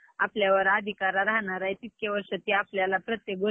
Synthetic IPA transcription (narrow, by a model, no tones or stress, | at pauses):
apljaʋəɾad̪ʱikaɾaɾaɦnaɾajt̪it̪̚keʋəɾʂət̪iapljalapɾət̪jek̚ɡo